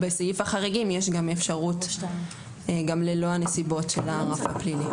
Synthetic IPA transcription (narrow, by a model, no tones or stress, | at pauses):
besajufaχaʁiɡimjeʃɡamefʃaʁut | ɡamlelo̞anesibo̞tʃelaʁafa̰plili